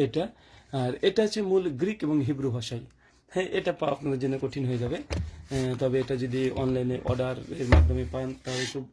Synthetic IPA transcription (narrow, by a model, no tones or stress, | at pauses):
eʈa | aɾeʈat͡ɕʰemulɡɾikebɔŋɦibɾubʱaʃaj | ʔeʈapapnad̪eɾd͡ʑenekoʈʰinɦojed͡ʑabe | t̪ɔbeeʈad͡ʒod̪iɔ̰nlajneɾʔɔ̰ɖaɾḛɾmad̪ʱɔmepant̪aɦbesub